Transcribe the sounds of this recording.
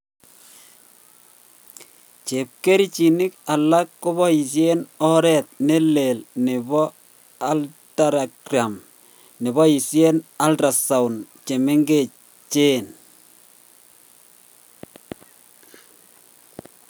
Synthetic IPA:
t͡ʃe˨p̚ke˦ɾi˦t͡ʃi˨nɪ˦ka˨la˦kːʊ˦βɔ˦i˨s̬je˦nɔ˦ɾɛ˨t̪̚ne˦le˨lnɪ˨βɔ˦ | a˨lta˨ɾa˨ɡɾa˨m | nɪ˨βɔ˦i˨sje˦na˦lta˨sa˨wnt͡ʃe˨me˦ŋɡe˦˨ | t͡ʃe˦n

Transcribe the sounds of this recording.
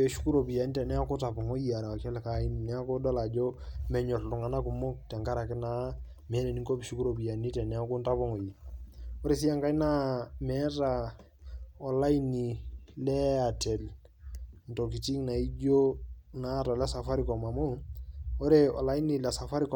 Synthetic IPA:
ɔ˨ʃu̥˦ku˦ɾo˨bi˨ja˨ni˦tɛ˨nɛ˦a˦ku˦ta˨pɔ˨ŋo˦ji˨a˨ɾa˨wa˨kɛ˦lka˦i˦n˨nɛ˦a˦kɔ˦dɔ˦la˨d͡ʒɔ˦mɛ˨ɲɔ˨tlu˨ŋa˨na˦ku˨mɔ˦ktɛ˨ŋka˦ɾa˨kɪ˦na˦ | mɛ˨˦lɛ˨ni˦ŋko˦bi˨ʃu˦ku˦ɾo˨bi˨ja˨ni˦tɛ˨nɛ˦a˦ku˦nta˦pɔ˦ŋo˨ji˨ɔ˦ɾe˦˨si˦ja˦ŋka˦i˦na˦mɛ˦ɾa˨ | ɔ˨la˦i˦ni˨lɛ˦a˨tɛ˨l | n˨to˨k̬i˨ti˦ŋna˨i˦d͡ʒo˦na˦ɾa˨lɛ˦sa˨fa˦ɾi˨kɔ˨ma˨mo˦ɔ˦ɾe˦ɔ̰˨la˦i˦ni˨lɛ˨sa˨fa˦ɾi˦k

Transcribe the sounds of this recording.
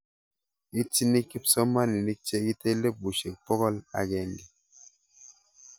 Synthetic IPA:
i˦ti˦ni˦ki˦psɔ˦ma˦ni˨ni˦t͡ʃe˦ɡi˦te˦le˦˨p̚ɡu˨ʃe˨k̚pɔ˦ɣɔ˦la̰˨ɡɛ˨ŋɡi˨

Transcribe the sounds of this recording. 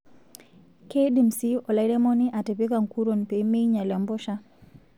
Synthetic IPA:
ke˦di˨msi˦ɔ˨la˨jɾɛ˦mɔ˦ni˦ʔa˨te˨pi˦ka˨ŋku˦ɾo˨npe˨˦me˦jɲa˨lɔ˨mbɔ˦ʃa˦

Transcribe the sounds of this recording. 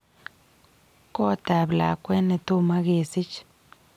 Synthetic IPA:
ko˦t̪a˨bla̰˨kʷe˦ne˧t̪u˦ma˦ɡe˧si˦t͡ʃ

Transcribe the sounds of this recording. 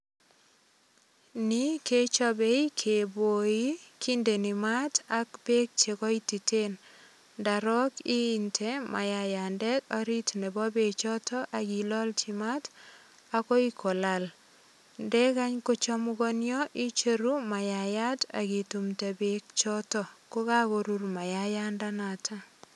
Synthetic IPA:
ni˦ke˦t͡ʃɔ˦be˦i˦kʰe˨bo˨i˦ki˦nde˨nɪ˨ma˦ta˦kbe˦k̚t͡ʃe˨kɔ˦i˦ti˨te˦n | da˨ɾɔ˦kiː˦˨ntʰe˦mʔa˨ja˨ja˨ndɛ˦tɔ˦ɾi˦tne˨bɔ˦be˨t͡ʃɔ˦tɔ˦ʔa˨ɡi˨lɔ˦lt͡ʃi˨ma˦t | a˦kɔ˦i˦kʰɔ˨la˨l | ndɛ˦ka˦ɲko˦t͡ʃɔ˦mu˦kɔ˦njɔʔi˦t͡ʃeɾu˦ma˨ja˨ja˦ta̰˨ki˨tu˨mte˨bek̚t͡ʃɔtɔ˦ko˦ka˦ko˨ɾu˦rma˨jaja˦nda˦na˨tʰa˦

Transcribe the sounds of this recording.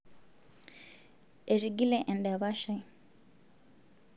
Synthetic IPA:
e˨ɾi˨ɡi˦lɛ˦ʔɛ˨ndɛ˨βa˦ʃa˨j

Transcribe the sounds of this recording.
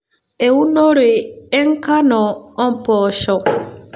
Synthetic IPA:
e˨u˦no˦ɾe˨ɛ˦ŋ˦ka˦nɔ˨ɔ˦m˨pɔː˨ʃɔ˨

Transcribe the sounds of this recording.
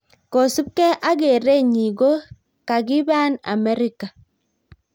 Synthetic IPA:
ko˨su˦p̚kɛ˦ʔa˦ɡe˨ɾe˦ɲi˨ɡo˦ | ka˨ɡi˦ba˦na̰˨mɛ˦ɾi˦ka˨

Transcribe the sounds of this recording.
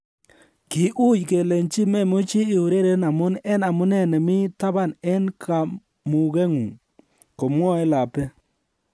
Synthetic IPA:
kɪ˨ʔu˦jke˨lɛ˨nt͡ʃi˦mɛ˦˨mo˦t͡ʃi˦ɪ˨u˨ɾe˦ɾe˦na˨mʊ˦nɛ˦na˨mʊ˦nɛ˦˨nɛ˨mɪ˦ta˦βa˦˨nɛ˦nkʰa˨ | mʊ˨ɣɛ˦ŋu˨ŋ | ko˨mwɔ˦ɛ˦la˨pɛ˦

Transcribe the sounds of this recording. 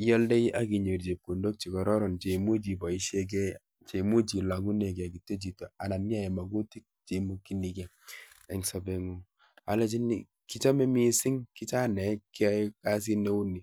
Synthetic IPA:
i˦jɔ˦lde˦i˦ʔa˦ki˨ɲe˨ɾd͡ʒe˨p̚ku˨ndo˦k̚t͡ʃi˨kɔ˨ɾɔ˦ɾɔ˨nt͡ʃe˨mu˦d͡ʒi˨bɔ˨i˦ʃe˦k̬ɛ˦ | t͡ʃe˨mu˦d͡ʒi˨la˨ŋu˦ne˨ka˨ki˨tːe˦d͡ʒi˨to˨a˨na˨mi˦a˦je˨ma˨ɡu˦ti˦k̚t͡ʃe˨mo˦ki˦ni˨kɛ˨ | ɛ˨ŋsɔ˨be˨ŋu˦ | a˨le˦t͡ʃi˦nḭ˨ | ki˦t͡ʃa˦me˦mi˦si˦ŋki˦t͡ʃa˦nɛ˨˦kka˦s̬i˦ne˦u˦ni˨

